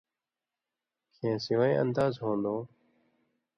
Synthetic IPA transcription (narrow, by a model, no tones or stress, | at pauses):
kʰẽːsɪʋaːḛ̃ːʔə̰nd̪aːzɦõːnd̪oː